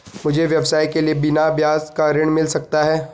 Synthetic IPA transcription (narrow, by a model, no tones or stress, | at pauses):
mʊd͡ʒʱeʋjɐbsaːjkeliebɪnabjaːzkaɾɪɽ̃mɪlsɐk̚t̪aɦɛː